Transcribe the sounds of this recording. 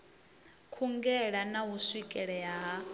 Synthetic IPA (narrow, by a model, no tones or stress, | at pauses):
kʰuŋɡɛɺanaɦusikʼɛɺɛɦaɦa